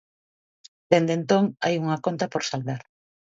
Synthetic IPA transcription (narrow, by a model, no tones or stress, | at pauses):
d̪̥end̪ent̪oŋajuŋakont̪apoɾsald̪aɾ